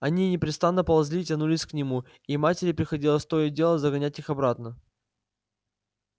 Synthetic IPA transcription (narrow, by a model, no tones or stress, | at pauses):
ɐnʲinʲɪpɾʲɪt̪st̪anːəpəlˠɐzʲlʲitʲɐnulʲɪsʲknʲɪmu | imatʲɪɾʲɪpɾʲɪxɐdʲilˠəst̪ojədʲe̞lˠəzəɡɐnʲætʲixɐbɾat̪nə